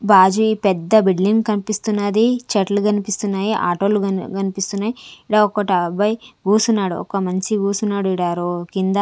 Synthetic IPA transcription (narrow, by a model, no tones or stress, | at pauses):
baːd͡ʒuipɛd̪ːɐbiɖliŋɡkɐnipist̪unːɐd̪it͡ʃɐʈluɡɐnipist̪unːaːjiʔa̰ːʈoːluɡɐnipist̪unːaːjiɽaɔkɐʈɐbɐjɡuːsunːaːɽṵɔ̰kɐmɐnt͡ʃiɡuːsunːaːɽuiɽaːɾokind̪ɐ